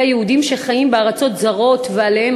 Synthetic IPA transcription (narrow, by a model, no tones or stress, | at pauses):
ajehudimʃe̞χajimbeaʁat͡so̞t̪zaʁo̞tvealehem